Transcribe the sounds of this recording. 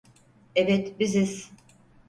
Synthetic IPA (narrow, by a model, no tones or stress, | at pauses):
ebɛt̪biziz̥